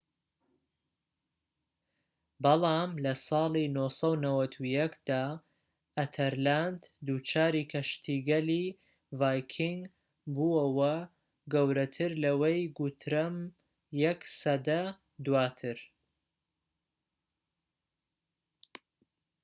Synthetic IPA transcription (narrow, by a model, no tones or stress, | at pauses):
bɑlˠɑːmlɐsɑːlˠinosɐwnɐwɐt̪ʰujɐkd̪̥aː | ɐt̪ʰɐɾland̪d̪ut͡ʃʰaːɾiːkʰɐʃt̪ʰiːɡɐli | vaːjkʰiŋɡ | buɐwɐ | ɡɐwɾɐt̪ʰɨɾlɐwejɡut̪ʰɾɐm | jɛksɐd̪ɐ | d̪uwaːt̪ʰɨɾ